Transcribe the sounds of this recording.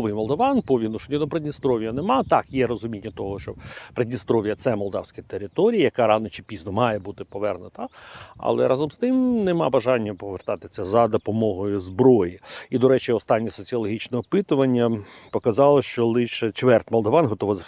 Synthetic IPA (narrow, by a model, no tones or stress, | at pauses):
ʋɪjmɔlˠd̪ɔʋɑnpɔʋʲinʊʃɔnʲid̪ɔpɾed̪ʲnʲist̪ɾɔʋʲijɐnemɑt̪ɑkjɛɾɔzʊmʲinʲːɐt̪ɔɦɔʃt͡ʃɔpɾedʲnʲist̪ɾɔʋʲijɐt̪sɛmɔlˠd̪ɑwsʲkɐt̪eɾɪt̪ɔɾʲijijɐkɑɾɑnɔt͡ʃɪpʲiznɔmɑjɛbut̪ɪpɔʋɛrnʊt̪ɐɐ̰lˠɛ̰ɾʔɑzɔmst̪ɪmnemɑbɐʒɑnʲːɐpɔʋert̪ɑt̪ɪsʲɐzɐd̪ɔpɔmɔɦɔjʊzbɾɔjiid̪ɔɾɛt͡ʃɪɔst̪ɑnʲːisɔt͡sʲiɔlˠɔɦʲit͡ʃnɛɔpɪt̪ʊʋɐnʲːɐpɔkɐzɑlˠɔʃt͡ʃɔlˠɪʃɛt͡ʃʋɛrtʲmɔlˠd̪ɔʋɑnɦɔt̪ɔʋɐzɐ